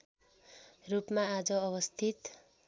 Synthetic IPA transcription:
rupmaːd͡zʌʌbʌst̪ʰit̪

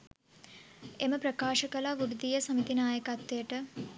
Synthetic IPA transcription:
eməpɾəkaːʃəkəlaʋuɾud̪ijəsəmit̪inaːjəkat̪ːəjəʈə

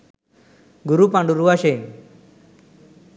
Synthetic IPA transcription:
ɡuɾupãɳɖuɾuʋaɕe

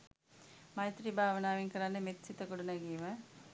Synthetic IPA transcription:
mɐjt̪ɾibʱaːʋənaːʋiŋkɐɾanːəmet̪sit̪əkuɽunɐɡimɐ

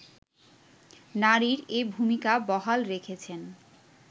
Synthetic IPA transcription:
naɾiɾebʱumikabɔɦalɾekʰet͡ɕʰen

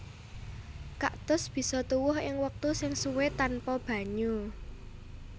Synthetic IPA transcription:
kaʔt̪ʊsb̥i̤sɔt̪uwʊɦɪŋwək̚t̪usɪŋsuwet̪anpɔb̥ä̤ɲu

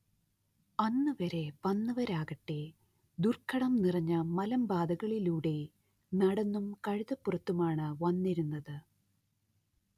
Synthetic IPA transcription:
ɐnːɨʋɐɾe̞ʋɐnːɨʋɐɾaːɣɐʈːe | d̪urkʰːɐɽɐmnirɐɲːɐmɐlɐmbaːd̪ɐɣɐɭiluːɽe̞ | nɐɽɐnːumkɐɻiðɐpːurɐt̪ːumaːɳɨʋɐnːiɾunːɐðɨ

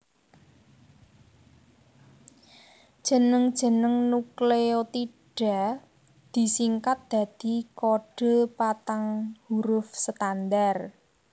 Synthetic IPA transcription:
d̥ʒ̥ə̤nəŋd̥ʒ̥ə̤nəŋnukleot̪iɖ̥a̤ | d̪̥i̤siŋkat̪̚d̪̥a̤d̪̥i̤koɖ̥o̤pat̪aŋhuɾʊfsət̪and̪ar

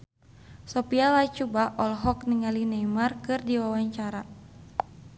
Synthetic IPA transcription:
sɔpialat͡ʃubaʔɔlɦɔkniŋalinajmarkɨrdiwawaɲt͡ʃaɾa

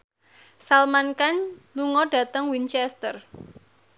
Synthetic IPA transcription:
salmankanluŋɔɖa̤t̪əŋwint͡ʃɛst̪ər

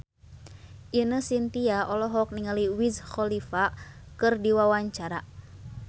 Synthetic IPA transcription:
ʔinəsint̪iaʔɔlɔɦɔk̚niŋaliwizxɔlifa | kɨrdiwawaɲt͡ʃaɾa

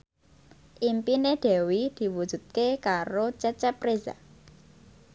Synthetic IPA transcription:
ʔimpineɖ̪̥ɛ̤wid̪̥i̤wud̥ʒ̥ṳt̪̚kekaɾot͡ʃət͡ʃɛpreza̰

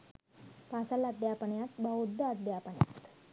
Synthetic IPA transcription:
pasalad̪ʱjapəɳjat̪baud̪ʱːəːd̪japəɳja̰tt̪

